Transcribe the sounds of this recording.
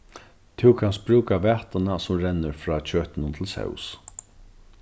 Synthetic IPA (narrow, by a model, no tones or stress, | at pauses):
t̪ʰɪwkʰanst̪̚bɾʉːkavɛːht̪anasʊmɾɛnːəɾfɾaːt͡ɕʰøːt̪ɪnʊmt̪ʰɪlsɛ̰ws